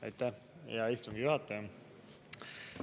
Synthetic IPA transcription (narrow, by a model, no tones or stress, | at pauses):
ɑ̰jt̪ːæ | jɑist̪uŋɡijuhɑt̪ːˑɑjɑ